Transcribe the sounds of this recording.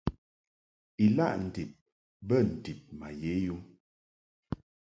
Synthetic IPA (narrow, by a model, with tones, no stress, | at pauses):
i˨la̰˦ʔn̩˨di˨p̚ | bə˦n̩˨di˨p̚ma˨je˨˦ju˦